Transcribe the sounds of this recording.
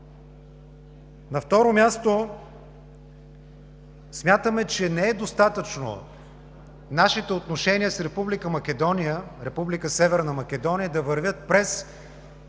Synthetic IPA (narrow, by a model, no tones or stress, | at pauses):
nɐft̪ɔɾomʲjast̪o | smʲjat̪əmɛt͡ʃɛnɛɛd̪ost̪at̪ət͡ʃno̰ | naʃit̪ɛot̪noʃɛniəsɾɛpublikəmɐkʲɛd̪ɔnijəɾɛpublikəsɛvɛɾnəmɐkʲɛd̪ɔnʲijəd̪ɐvɐɾvʲjət̪̚pɾɛs